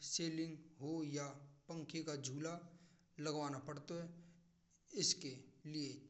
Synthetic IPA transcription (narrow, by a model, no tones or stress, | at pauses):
seːlɪ̃ŋɡɦojapɐ̃ŋkʰikad͡ʒʱuːla | lɐɡʋaːnapɐɽt̪oɦɛ | ɪskelie